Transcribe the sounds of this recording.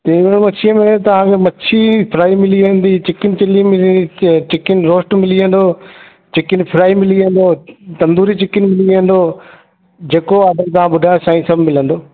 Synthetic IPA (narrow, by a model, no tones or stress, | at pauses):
t̪ɐɽ̃mɐt͡ɕʰiəmẽt̪ɐʋ̤ãkʰemɐt͡ɕʰipʰɪɾaːimɪliʋə̃nd̪it͡ɕɪkɪnɪ̆t͡ɕɪlimɪit͡ɕɪkɪnɪɾoːsʈmɪliə̃nd̪oː | t͡ɕɪkɪnɪpʰɪɾaːimɪliə̃nd̪oːt̪ɐ̃nd̪uːɾit͡ɕɪkɪnɪ̆mɪliə̃n̆d̪oː | d͡ʑeːkoaːd̪əmt̪ɐʋ̤ãɓʊɖʱaːsaːĩsɐbʱmɪlə̃nd̪oː